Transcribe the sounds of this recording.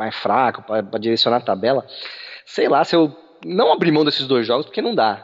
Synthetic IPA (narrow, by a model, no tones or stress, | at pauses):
ajsfɾakʊpɾɐpɾɐd͡ʒiɾesiõnat̪abɛlɐsejlasɪew | nɐ̃w̃abɾimɐ̃w̃d̪esɪzd̪ojzʒɔɡʊspoɾkenɐ̃w̃d̪a